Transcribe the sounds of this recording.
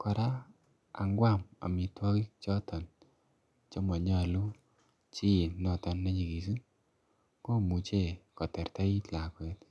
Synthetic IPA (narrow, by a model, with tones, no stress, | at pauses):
kɔ˨ɾa˦ | a̰˨ŋɡwa˦˨ma̰˨mi˨twɔ˦ki˦t͡ʃɔ˦tɔ˨n | t͡ʃɔ˦ma˨ɲa˦˨lu˦ | t͡ʃi˦i˨nnɔ˨tɔ˨nːa˦ɲi˨ɡi˨su˦ | ko˦˨mu˨t͡ʃe˦˨kɔ˨tɛ˨ɾta˦i˦tla˨kwɛ˦t